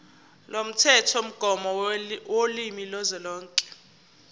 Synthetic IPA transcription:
lom̩tʰɛtʰɔm̩ɡ̥ʱɔmɔwolimilɔzɛlɔːŋkʼɛ̥

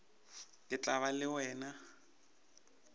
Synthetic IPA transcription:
lɪt͡ɬʼaβalɪwɛːna

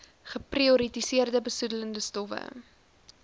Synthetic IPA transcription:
χəprioɾitisiərdəbəsudələndəstɔfə̰

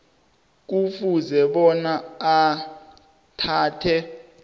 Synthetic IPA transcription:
k̬ufuzɛɓɔnaː | tʰaːtʰɛ

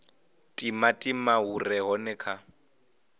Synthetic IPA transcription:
tʼimatʼimaurɛɦɔnɛkʰa

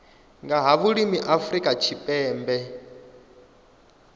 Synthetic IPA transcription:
ŋɡaɦaβuɺimiʔafrikʼat͡ʃʰipʼɛːmbɛ

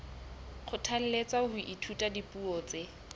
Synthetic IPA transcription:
χʰʊtʰal̩let͡sahʊʔitʰutʼadipʼuɔt͡se

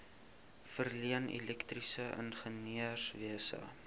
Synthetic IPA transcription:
fərliənɛ̰lɛktrisəʔə̰nχəniəsviəsə̰

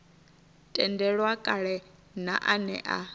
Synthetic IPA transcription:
tʼɛndɛɺwakʼaɺɛna̰ʔanɛ̰ʔa̰

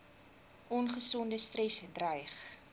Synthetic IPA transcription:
ɔnχəsɔndəstrɛsdrəjχ

